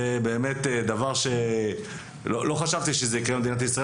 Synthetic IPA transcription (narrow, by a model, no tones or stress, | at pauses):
ebe̞ːme̞t̪ed̪avaʁʃe̞ | lolo̞χaʃavt̪iʃezeikʁemed̪inat̪̬isʁa